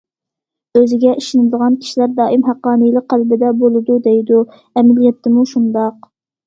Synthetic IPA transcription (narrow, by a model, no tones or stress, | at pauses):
øzɪɡʲɛʔiʃɪnɪd̪əʁɑnkʲʰi̥ʃilæɾd̪ɑːʔimɦæqːɑːnɨjlˠɪq̚qælbɪd̪ɛbolˠɨd̪ud̪ejd̪u | ɛmɪlijɛt̪ʰːɪmuʃund̪ɑq̚